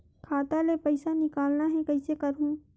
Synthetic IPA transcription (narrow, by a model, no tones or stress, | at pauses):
kʰaːt̪alepɐɪsanɪkaːlnaɦɛ̃kɐɪsekɐɾɦũ